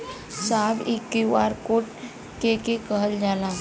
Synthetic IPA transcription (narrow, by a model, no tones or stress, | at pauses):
saːbɪkːiwaːɾkoːʈ | kekekəɦəld͡ʒaːnaː